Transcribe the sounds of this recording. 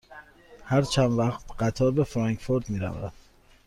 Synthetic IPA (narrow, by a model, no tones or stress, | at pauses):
hæɾt͡ʃʰænvæχt̪ɢæt̪ʰɒːɾbe̞fɾɑŋkfoɾd̪miːɾæ̰væ̰d̪̥